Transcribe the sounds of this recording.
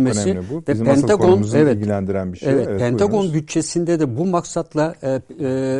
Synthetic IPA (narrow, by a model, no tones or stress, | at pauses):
messivɛɛnʰaɡonɛvɛtilænd̪iɾænbiɛvɛt̪̚pʰɛnʰaɡo̞nbyt̪̚t͡ʃʰːe̞sind̪ɛd̪ɛbumaksat̪lˠa